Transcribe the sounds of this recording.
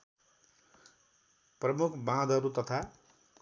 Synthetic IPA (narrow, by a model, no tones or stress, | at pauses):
prʌmukʰbãd̪ʱʌɾut̪ʌt̪ʰa